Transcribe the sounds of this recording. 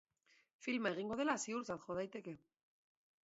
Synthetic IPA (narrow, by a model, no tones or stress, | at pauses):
filmae̞ɣ̞iŋɡo̞ð̞e̞lasiuɾt͡sat̪xo̞ð̞ajt̪e̞ke̞